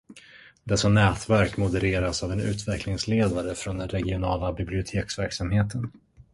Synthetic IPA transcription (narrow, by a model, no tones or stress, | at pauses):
d̪ɛsanɛːt̪væɾkmʊd̪əɾeːɾasavɛnʉ̟ːt̪vɛklɪŋsleːd̪aɾəfɾond̪ɛnɾɛɡɪʊnɑːlabɪblɪʊt̪ʰeːksvæɾksamheːt̪ʰən